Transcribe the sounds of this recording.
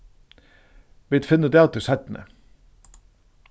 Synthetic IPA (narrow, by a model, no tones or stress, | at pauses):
ʋɪt̪fɪnəd̪eːɑt̪̚d̪əsæt̪n̩ə̰